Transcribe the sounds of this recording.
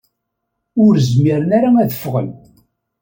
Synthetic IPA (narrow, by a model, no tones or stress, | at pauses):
ʊɾzmiɾənaɾaæðəfʁə̰l